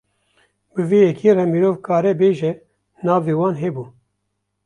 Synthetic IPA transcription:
bɨveːjɛkʰeːrɛmiɾoːvkʰɑːɾɛbeːʒɛ | nɑːveːwɑːnɦɛːbuː

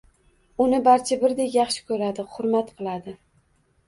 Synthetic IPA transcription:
ʊnɪbaɾt͡ʃʰabɪɾd̪ekʲjɑχʃɪ̥kʰɵɾad̪ɪχʊɾmat̪qʰɨlˠad̪ɪ

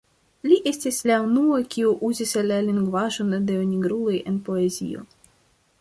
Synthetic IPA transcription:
liʔe̞stislaunuokʲiuʔuzislːaliŋɡvaʒo̞ndeoniɡɾulo̞je̞npo̞e̞zḭo̞̰

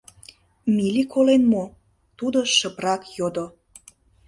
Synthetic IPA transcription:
milʲikolenmo | t̪ud̪oʃə̆prɑkjod̪o

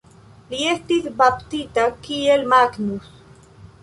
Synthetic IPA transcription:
liest̪iθbapt̪it̪akielmaknus

